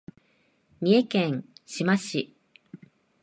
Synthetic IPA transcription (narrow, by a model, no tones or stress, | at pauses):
mʲie̞kẽŋ̃ɕimaɕi